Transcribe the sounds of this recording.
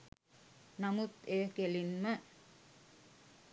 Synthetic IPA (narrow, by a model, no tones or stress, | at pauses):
namut̪eːkelinmə